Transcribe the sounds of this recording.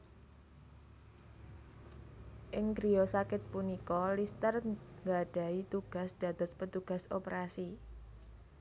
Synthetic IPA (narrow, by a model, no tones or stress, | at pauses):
ʔɪŋɡɾiɔsakɪt̪̚punikɔlist̪ərŋɡaɖ̥a̤it̪uɡ̥a̤sd̪̥ä̤d̪̥ɔ̤spət̪uɡ̥ä̤sopəɾasi